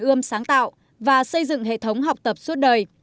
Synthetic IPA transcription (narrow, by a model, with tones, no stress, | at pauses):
ʔɨ˧əmsaː˨˦ŋt̪a̰ː˧˨w | vaː˨˩sə˧jzɨ̰˧˨ŋɦḛ˧˨t̪ʰə˨˦wŋ͡mɦa˨˩wk͡p̚t̪ə˨˩p̚su˦˥t̚ɗəː˨˩j